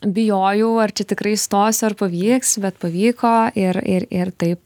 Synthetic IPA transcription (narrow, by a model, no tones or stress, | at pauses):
bʲɪjoːjuːɐrt͡ʃʲɛt̪ʲɪkɾɐɪst̪oːsɐrpɐʋʲiːksbʲɛt̪pɐʋʲiːkoːɪɾɪɾɪrt̪ɐɪp